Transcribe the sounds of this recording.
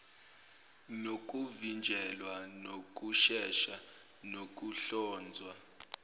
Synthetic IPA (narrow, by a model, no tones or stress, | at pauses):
nok̬ʼuvind͡ʒʱɛlwanok̬ʼuʃɛʃa | nok̬ʼuɬɔːnd͡zʱwa